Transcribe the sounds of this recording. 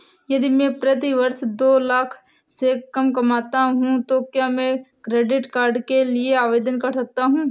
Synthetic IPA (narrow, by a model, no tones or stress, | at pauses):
jɐd̪imɛ̃ːpɾɐt̪iʋɐɾsd̪oːlaːkʰ | sekɐmkɐmaːt̪aɦũt̪okjaːmɛ̃kɾeːɖɪʈkaːɾɖkelieaːʋeːd̪ənkɐɾsɐk̚t̪aɦũː